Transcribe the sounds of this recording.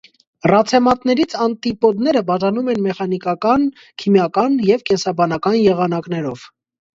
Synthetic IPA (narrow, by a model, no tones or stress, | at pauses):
rɑt͡sʰɛmɑt̪nɛɾit͡sʰɑnt̪ipɔd̪nɛɾəbɑʒɑnumɛnmɛχɑnikɑkɑn | kʰimjɑkɑnjɛvkɛnsɑbɑnɑkɑnjɛʁɑnɑknɛɾɔv̥